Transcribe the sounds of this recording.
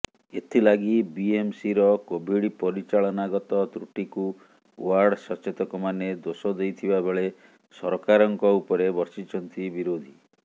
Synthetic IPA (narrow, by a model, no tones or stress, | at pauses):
et̪ʰilaɡibiemsiɾɔkobʱiɽipɔɾit͡ʃaɭɔnaɡɔt̪ɔt̪ɾuʈiku | waɾɖsɔt͡ʃet̪ɔkɔmaned̪osɔd̪ejt̪ʰibabʱeɭe | sɔɾkaɾɔŋkɔupɔɾebɔɾsit͡ʃʰɔnt̪ibiɾod̪ʱi